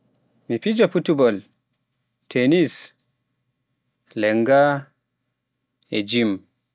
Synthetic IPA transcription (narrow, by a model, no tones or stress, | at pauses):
mipid͡ʒɔputubɔl | tʰenis | lɛŋɡa | ed͡ʒim